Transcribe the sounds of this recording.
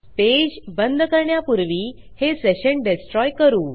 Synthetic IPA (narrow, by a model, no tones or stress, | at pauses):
t̪ed͡ʑbənd̪kəɾɳjapuɾʋiː | heseɕəɳɖesʈɾɔjkəɾuː